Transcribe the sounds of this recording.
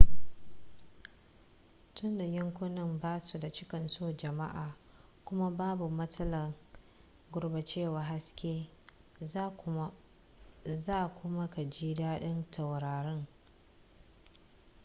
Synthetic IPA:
tʊ˦nda˨jɪ˦ŋkʷʊ˦nɪ˦mbaː˦su˨da˨t͡ʃɪ˦kɐ˨nsoː˦d͡ʒɐ˨ma̰˦ʔaː˨ | kʷʊ˦ma˦baː˦bu˨mɐ˦tɐ˦lɐ˨ŋ | ɡʷʊ˦ɽba˨t͡ʃeː˦˨waː˨ɦa˦skʲeː˦ | zaː˦˨kʷʊ˦ma˦ka˨d͡ʒiː˦daː˦ɗɪ˦ntʰa˨wɾaː˨ɾɪ˦ŋ

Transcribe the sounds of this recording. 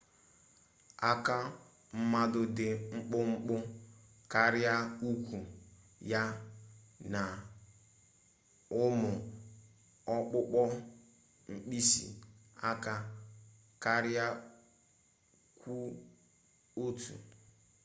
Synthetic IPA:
a˦ka˦ | m̩˦ma˦dʊ˦dɪ˨ŋ͡m̩˦k͡pʊ˦ŋ͡m̩˦k͡pʊ˦ | ka˦ɾja˦u˦kʷu˨ | ja˦ | na˨ | ʊ˦mʊ˨ | ɔ˦k͡pʊ˦k͡pɔ˦ | ŋ͡m̩˦k͡pi˦si˨a˦ka˦ | ka˦ɾɪ˦a˦ | kʷu˦ | o˦tʰṵ˨

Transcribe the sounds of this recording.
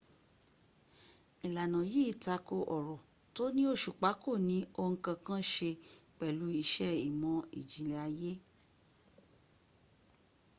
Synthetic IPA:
i˨la˨nã˨ji˦˨ta˧ko˧ʔɔ˨ɾɔ˨ | to˦nĩ˦o˦ʃu˨k͡pa˨˦ko˦˨nĩ˨˦o˧ŋ̩˧kã˧kã˦ʃe˧k͡pɛ˨lu˨˦i˧ʃɛ˦i˨mɔ̃˧ḭ˨d͡ʒi˨le˧a˧je˦

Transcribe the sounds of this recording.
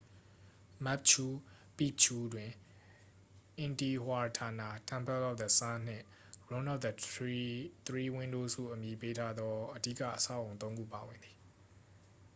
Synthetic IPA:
ma˦˨p̚t͡ʃʰu˦ | pḭ˦˨ʔt͡ɕʰu˦dwɪ̃˨ | ʔɪ̃˨nti˨hwa˨ɹtʰa˨na˦˨tʰã˦˨mpʰɛ˦˨la˦ʊt̪̚d̪ə˨sã˦n̥ɪ̰̃˦˨ | ɹõ˦na˦ʔ̚d̪ | t̪əɹi˦wɪ̃˦ndo˦zṵ˦˨ʔəmji˨pe˦tʰa˦d̪ɔ˦ʔədḭ˦˨ka̰˦˨ʔəsa̰˦˨ʔõ˨ʊ̃t̪õ˦ʊ̃ŋɡṵ˦˨pa˨wɪ̃˨nd̪ði˨

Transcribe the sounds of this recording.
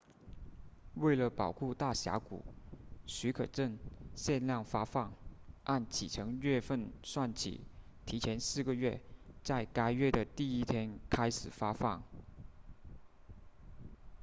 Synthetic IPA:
we˥˩ɪlə˩pɑ˨˩ʊkʰu˥˧t̪a˥˩ɕja̰˧˥kṵ˨˩˦ɕy˧˥kʰɤ˨˩ʈ͡ʂə˥˩nɕjɛ˥˧nljɑ˥˩ŋfa˥fɑ˥˩ŋʔa˥˩nt͡ɕʰḭ˨˩ʈ͡ʂʰɤ˧˥ŋɥɛ˥˧fə˥˧nswa˥˩nt͡ɕʰḭ˨˩˦ | t̪ʰi˧˥t͡ɕʰjɛ˧˥nsɹ̩˥˩ɡə˩ɥɛ˥˩t͡sa˥˩ɪka˥ɪɥɛ˥˩d̪ə˩t̪i˥˩i˥t̪ʰjɛ˥nkʰa˥ɪʂɻ̩˨˩fa˥fɑ˥˩ŋ

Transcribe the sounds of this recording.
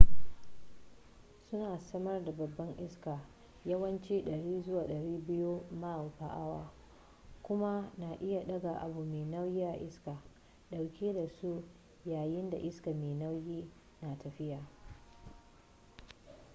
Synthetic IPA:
sʊ˦naː˨sɐ˦mɐ˦rda˨bɐ˨bːɐ˦ŋʔɪ˦skaː˨ | jɐ˦wɐ˦nt͡ʃiː˦ɗɐ˨ɽiː˦zʊ˦waː˨ɗɐ˨ɽiː˦bɪ˦ju˦ma˦˨ɸa˨ʔa˦waː˨ | kʷʊ˦ma˦na˨ʔɪ˦ja˨ɗɐ˦ɡa˨ʔa̰˨bu˨meː˨nɐ˦wjɪ˦a˨ʔɪ˦ska˨ | ɗa˨wkʲiː˦da˨su˦ʔ | jaː˨jɪ˦nda̰˨ʔɪ˦ska˨meː˨nɐ˦wjiː˦ | na˨tʰɐ˨ɸɪ˦jaː˨

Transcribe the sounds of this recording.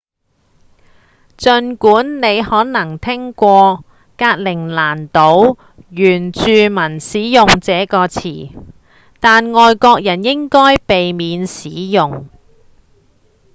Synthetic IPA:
t͡sɵ˧nkuː˨˥nne˨˧jhɔː˨˥nɐ˨˩ŋt̪ʰɪ˥ŋkʷɔː˧ | kaː˧t̚lɪ˨˩ŋlaː˨˩nt̪o˨˥w | jyː˨˩nt͡ʃyː˨mɐ˨˩nsiː˨˥jʊ˨ŋt͡sɛː˨˥kɔː˧t͡sʰḭː˨˩ | t̪aː˨nŋɔː˨jkɔː˧k̚jɐ˨˩njɪ˥ŋkɔː˥jpe˨jmiː˨˧nsiː˨˥jʊ˨ŋ

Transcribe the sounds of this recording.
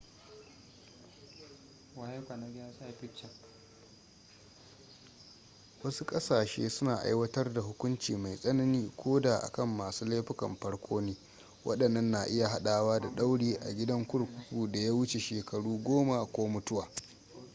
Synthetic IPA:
wa˨ha˦kʷa˨na˦ɡʲa˦sa˦ja˨ɸɪ˦t͡ʃːɐ˨ | wɐ˦su˦kʼɐ˦saː˨ʃḛː˦sʊ˦naː˨ʔa̰˦jwɐ˦tɐ˦rda˨ɦʊ˦kʷʊ˦nt͡ʃiː˨ma˨jsʼɐ˦nɐ˦niː˦kʷʰoː˦daː˨ʔa̰˨kɐ˦˨mːaː˨suː˦leː˦ɸɪ˦kɐ̰˨mɸɐ˦ɽkʷʰoː˦neː˦ | wʔɐ̰˦ɗɐ˨nːɐ˦nːa˨ʔɪ˦ja˨ɦa˦ɗaː˨waː˦da˨ɗa˦wɽiː˦ʔa̰˨ɡʲɪ˦dɐ˦ŋkʷʊ˦ɽkʷʊ˦ɸuː˨da˨ja˦wʊ˦t͡ʃe˨ʃeː˨kɐ˨ɽuː˦ɡʷoː˦ma˨kʷoː˦mʊ˦tʊ˦waː˨

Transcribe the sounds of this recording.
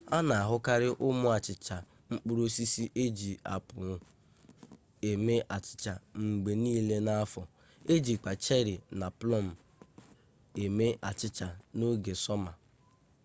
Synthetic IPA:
a˦na˨a˨ɦʊ˦ka˦ɾɪ˦ʔʊ˦mʊ˦a˨t͡ʃɪ˨t͡ʃa˨ | ŋ͡m̩˦k͡pu˦ɾo˦si˦si˦ʔe˦d͡ʒi˨a̰˨pʊ˨ʊ˦ | e˨me˦ʔa˨t͡ʃɪ̥˨t͡ʃa˨ŋ͡m̩˨ɡ͡be˨niː˦le˦na˦a˦fɔ˨ | e˦d͡ʒi˨k͡pa˨t͡ʃe˦ɾɪ˨na˨plɔ˦˨m̩˨ | e˨me˦ʔa˨t͡ʃɪ˦t͡ʃa˨no˦ɡe˨sɔ˦ma˨

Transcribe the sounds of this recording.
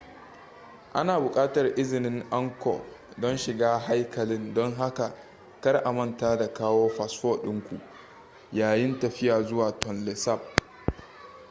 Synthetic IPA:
ʔa̰˦naː˨bʊ˨kʼaː˦tɐ˨rʔɪ˦zɪ˨nɪ˦ŋʔa˦ŋkɔ̰˨dɔ˦nʃɪ˨ɡaː˦ɦa˦jkɐ˨lɪ˦ndɔ˦ŋɦa˦ka˨ | kɐ˦rʔa˨mɐ˦ntaː˦da˨kaː˦woː˦ɸa˨sɸoː˦ɗɪ˦ŋkʷu˨ʔ | jaː˨jɪ˦ntɐ˨ɸɪ˦jaː˨zʊ˦waː˨tɔ˨nlɛ˨sa˦˨p̚

